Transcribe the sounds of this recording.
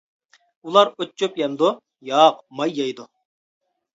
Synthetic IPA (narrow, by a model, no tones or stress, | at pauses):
ulˠɑɾøtt͡ʃːøpjɛmd̪ʊ | jɑːqmɑjːɑjd̪u